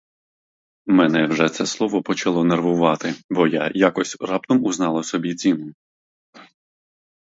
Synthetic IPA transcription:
mɛnɛwʒɛt̪sɛslˠɔʋɔpɔt͡ʃɐlˠɔnerʋʊʋɑt̪ɪbɔja̰jakɔsʲrɑp̚t̪ɔmuznɑlˠɐsɔbʲit͡sʲinʊ

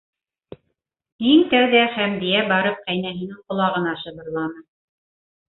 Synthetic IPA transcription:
iŋt̪æwðæχæmb̪ijæbɑɾɤp̚qæjnæɦinɘɴqŏlˠɑʁɤ̆nɑʃɤ̆βɤ̆ɾlˠɑnɤ

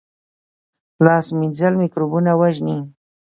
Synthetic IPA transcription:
laːsmɪnzalmɪkɾʊbʊnawaʒni

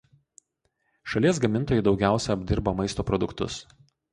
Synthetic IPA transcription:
ʃɐlʲiɛsɡɐmʲɪnt̪oːjʊɪd̪ɒʊɡʲæˑʊsʲɛɐbʲd̪ʲɪɾbɐmɐɪst̪oːpɾɔd̪ʊkt̪ʊ̰s

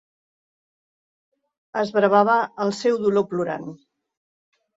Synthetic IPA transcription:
əzβɾəβaβ̞əːlˠsɛwðulopluɾa̰n

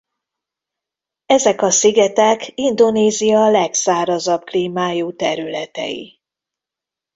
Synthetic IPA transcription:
ɛzɛkɒsiɡɛt̪ɛkind̪o̞neːzijɒlɛksaːɾɒzɒbkliːmaːjuːt̪ɛɾylɛt̪ɛ̰jḭ

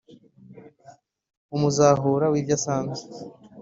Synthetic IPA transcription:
umuzaːɦuːɾawivjasaːnze

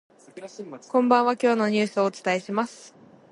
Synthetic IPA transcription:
kõ̞mbãβakʲo̞ːno̞ɲ̟ɨ̟ːsɨo̞ːt͡sɨ̥t̪aeɕimasɨ̥

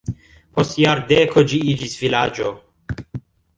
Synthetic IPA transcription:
pʰostjaɾd̪ekʰod͡ʒiid͡ʒisvilad͡ʒo

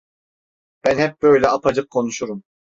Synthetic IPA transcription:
b̥ænhɛp̚bø̞jlʲɛɑpʰad͡ʒɯq̚kʰːo̞nuʃuɾum

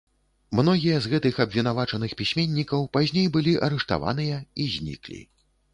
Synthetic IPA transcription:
mn̪ɔɣʲijɐzɣɛt̪ɨxɐbvʲin̪avat͡ʂɐnɨxpʲisʲmʲenʲːikɐwpazʲnʲejbɨlʲiʔɐɾɛʂt̪a̰va̰n̪ɨjɐizʲnʲḭklʲḭ

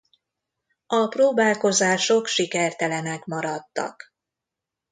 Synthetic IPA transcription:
ɒproːbaːlko̞zaːʃo̞kʃikɛrt̪ɛlɛnɛkmɒɾɒt̪ːɒ̰k

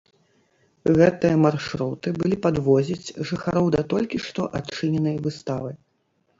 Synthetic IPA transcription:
ɣɛt̪ɨjɐmarʂɾut̪ɨbɨlʲipad̪vɔzʲit͡sʲʐɨxaɾɔwd̪ɐt̪ɔlʲkʲiʂt̪ɔʔat̪t͡ʂɨnʲɛnɐjvɨst̪avɐj

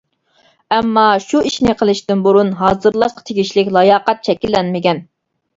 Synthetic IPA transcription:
ɛmːɑʃuiʃnɪqʰəlˠɪʃt̪ɪnbuɾunɦɑːzɨɾlˠɑʃqʰɑ̥t̪ʰeɡʲiʃlɪkʲlˠɑjɑːqɛt̪̚t͡ʃʰɛkʲilːɛnmɪɡʲɛn

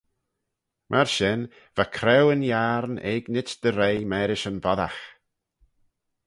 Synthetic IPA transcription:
mʔaɾʃɪn | v̥akʰɾɛwənjaɾnɛ̰ɡnɪt͡ʃd̪̥əɾejmɛːɾɪʃənvɔða̰x

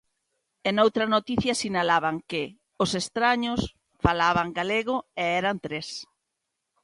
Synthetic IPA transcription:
enowt̪ɾɐnot̪iθjɐsinalaβaŋkɪ | ʊsest̪ɾaɲʊs | falaβaŋɡaleɣʊɛɛɾant̪ɾes

